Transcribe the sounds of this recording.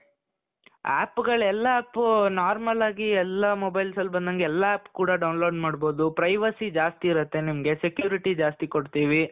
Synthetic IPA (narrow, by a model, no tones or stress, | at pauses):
a̰ːpːɡɐɭɛlːɐːpːnaːɾmɐlaːɡiɛlːɐmobɐjlsɐlbɐnd̪ɐŋɡeɛlːɐaːpːkuːɽɐɖɐwnlo̞ːɖmaːɽbo̞ːd̪upɾɐjʋɐsid͡ʒaːst̪iːɾɐt̪ːe̞nimɐɡe̞sekjuːɾiʈid͡ʒaːst̪ikoɽt̪iːʋi